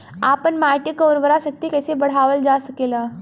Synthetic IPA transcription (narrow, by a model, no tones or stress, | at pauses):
apəɳmajʈ̪jəkəwɾʋəɾasək̚t̪ikəjsebəɽ̤aʋəld͡ʒasəkela